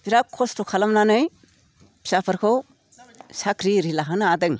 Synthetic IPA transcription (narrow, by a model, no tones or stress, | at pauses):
biɾakʰɔstɔkʰalamlanɯj | pʰi̥sapʰɯɾkʰɯw | sakʰɾiɾilaɦɯnaadɯŋ